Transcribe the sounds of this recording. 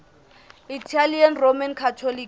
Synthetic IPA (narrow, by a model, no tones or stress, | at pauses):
itʰalianromankʰatʰoli